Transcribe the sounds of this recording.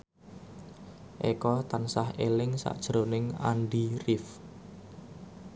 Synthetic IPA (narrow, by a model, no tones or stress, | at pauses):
ʔekɔt̪ansahelɪŋsa̰ʔd̥ʒ̥əɾonɪŋa̰nɖirɪf